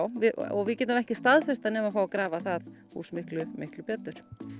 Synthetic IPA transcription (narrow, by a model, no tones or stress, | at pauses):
wvɪɔ̰ɣvɪcɛːt̪ʏmɛhcɪst̪aðfɛst̪anɛːmafawakɾaːvaθað | hṵːsmɪhklʏmɪhklʏpjɛt̪ʏɾ̥